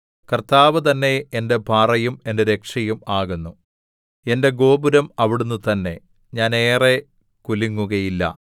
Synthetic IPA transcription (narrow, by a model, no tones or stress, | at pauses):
kɐrt̪aːʋɨt̪ɐnːe̞ːnde̞bʱaːrɐjume̞ndeɾekʂɐjumaːɣunːu | e̞nde̞ɡo̞ːbuɾɐmɐʋiɽunːut̪ɐnːe̞ | ɲaːne̞ːre̞ | kuliŋːuɣɐjilːɐ̰